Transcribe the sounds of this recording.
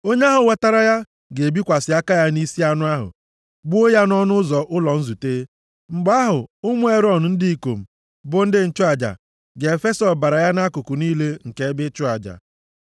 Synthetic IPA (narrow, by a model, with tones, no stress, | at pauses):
o˦ɲe˦a˦ɦʊ˨wa˨ta˦ɾa˦ja˦ | ɡe˨bi˦kʷa˨sɪ˨˦a˦ka˦ja˦ni˦si˦a˦nʊ˦a˦ɦʊ̰˨ | bu˦o˦ja˦n˦ɔ˦nʊ˦zɔ˨ʔʊ˦lɔ˨n̩˦zu˨teː˦ | ŋ͡m̩˨ɡ͡ba˦ɦʊ˨ʊ˦mʊ˦e˦ɾɔ˦˨n̩˨n̩˦dɪ˦i˨ko˨m̩˨ | bʊ˦n̩˦dɪ˦n̩˦t͡ʃʊ˦a˨d͡ʒa̰˨ | ɡe˨e˨fe˦sɔ˨ba˨ɾa˨ja˦na˦kʊ˨kʊ˨niː˦le˦ŋ̩˨ke˦bɪ˦t͡ʃʊ˦a˨d͡ʒa̰˨